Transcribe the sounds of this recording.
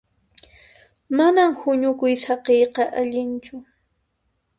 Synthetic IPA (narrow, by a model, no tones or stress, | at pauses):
manamhʊɲʊkʊjsɑqejqɑʔaʎɪnt͡ʃʊ